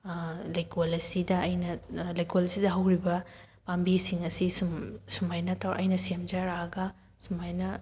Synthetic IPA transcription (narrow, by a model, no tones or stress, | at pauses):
lajkolɐsidɐːjnɐlɐjkolɐsidɐɦɐwɾibɐ | pambisiŋɐsissumajnɐtʰawɐ̰jnɐsiemd͡ʒaɾaɐɡɐ | sumajnɐ